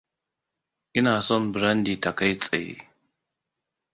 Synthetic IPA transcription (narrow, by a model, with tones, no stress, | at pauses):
ʔi˦na˨sɔ˦nbɾa˦ndi˨ta˨ka˦jt͡sʼa̰˨jḛ˦